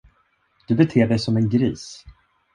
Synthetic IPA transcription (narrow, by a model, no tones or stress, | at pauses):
d̪̥ɵbɛt̪ʰeːɖɛjsɔmɛnɡɾiːs